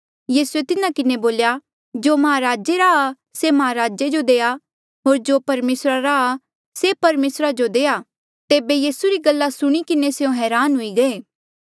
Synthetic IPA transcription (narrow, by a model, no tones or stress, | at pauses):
jiːsuet̪ɪnãkɪneboːlja | d͡ʒoːmɐɦaɾaːd͡ʒeɾaa | semɐɦaɾaːd͡ʒed͡ʒod̪eːa | ɦoːɾd͡ʒoːpɐɾmeːsɾaɾaː | sepɐɾmeːsɾad͡ʒod̪eːa | t̪eːbejiːsuɾiɡɐlːasʊɽ̃ikɪneseõɦɛːɾaːnɦʊiɡɐeː